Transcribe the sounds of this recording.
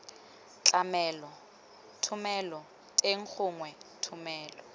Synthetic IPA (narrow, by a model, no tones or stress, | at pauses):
t͡ɬʼamɛːlɔ | tʰʊmɛlɔ | tʼeŋ̩k͡xʰʊŋwɛtʰʊmɛːlɔ